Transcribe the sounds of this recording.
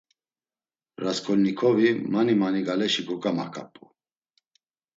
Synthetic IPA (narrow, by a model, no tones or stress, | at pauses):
ɾaskʰɔlnikʰɔvimanimaniɡalɛʃikʼɔkʼamakʼa̰pʼu